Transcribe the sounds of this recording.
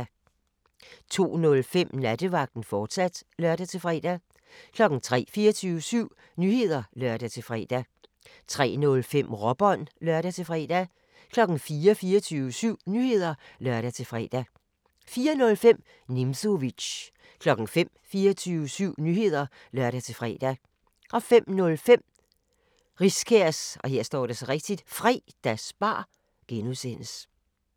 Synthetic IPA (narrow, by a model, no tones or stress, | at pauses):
t͡sʰo̝̰ːnɔ̽lfem̰næd̥əʋɑ̈ɡ̥̚d̥n̩fɒːd̥sæd̥lɶɐd̥æt͡sʰe̝lfʁɛ̰ːd̥æ | kʰlɒ̽ɡ̥n̩t͡sʰʁɛ̰ːfiːɐt͡sʰyːʊəsyʊ̰ | nyːhe̝ð̞̰ˠɐlɶɐ̰d̥æt͡sʰe̝fʁɛ̰ːd̥æ | t͡sʰʁɛ̰ːnɔ̽lfem̰ʁɒb̥ɒ̽nlɶɐɾ̥æt͡sʰe̝fʁɛ̰d̥æ | kʰlɒ̽ɡ̥n̩fiːɐfiːɐt͡sʰyːʊəsyʊ̰nyhe̝ð̞̰ˠɐlɶɐ̰ɾæt͡sʰe̝fʁɛ̰ːd̥æ | fiːɐnɔ̽lfem̰ | nimso̝ʋi̥ɕ | kʰlɒ̽ɡ̥n̩fem̰fiːɐt͡sʰyːʊəsyʊ̰nyːhe̝ð̞̰ˠɐ | lɶɐ̰ɾæt͡sʰe̝fʁɛ̰ːd̥æ | ʔɒ̽fem̰nɔ̽lfem̰ | ʁiskʰeɐsɒ̽hɦe̝ɐ̰sd̥ɒ̰ːɾ̥esɒ̽ʁeɡ̥̚d̥id̥fʁḭːd̥æsb̥ɑ̰̈ː | ɡ̥enusen̰əs